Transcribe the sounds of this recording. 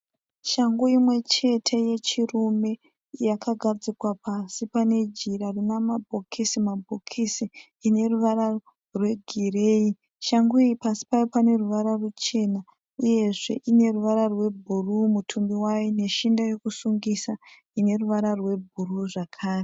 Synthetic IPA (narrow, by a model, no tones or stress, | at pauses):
ʃaŋɡuimwe̞t͡ʃe̞tʰe̞je̞t͡ʃirume̞ | jakaɡʱad͡zikwapasipane̞d͡ʒiɾarinamabʱokʰisimabʱokʰisiː | ne̞ruʋaɾa | rwe̞ɡʱireːi | ʃaŋɡuiipasi̥pajopane̞ruʋaɾarut͡ʃe̞na | uje̞ʐe̞̰ʔine̞ruʋaɾarwe̞bʱurumutʰumbiwajine̞ʃindajo̞kusuŋɡisa | ine̞ruʋaɾarwe̞bʱuruʐakʰaːre